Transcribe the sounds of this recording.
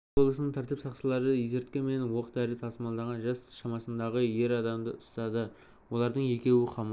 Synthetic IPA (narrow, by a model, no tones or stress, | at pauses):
o̞lˠəsənəɴt̪ʰæɾt̪ɪpsɑqsəlˠɑɾəjeze̞ɾt̪̚kʲeme̞nwoqt̪æɾɪt̪ʰɑsmɑlˠd̪ɑʁɑnʒɑsʃɑmɑsənd̪ɑʁəje̞ɾɑd̪ɑmd̪əʔʊst̪ɑd̪ə | wo̞lˠɑɾd̪əɴje̞kʲe̞wɪqʰɑm